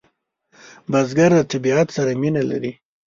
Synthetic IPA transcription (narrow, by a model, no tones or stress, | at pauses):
bazɡaɾd̪ət̪ɪbiat̪saɾaminala̰ɾi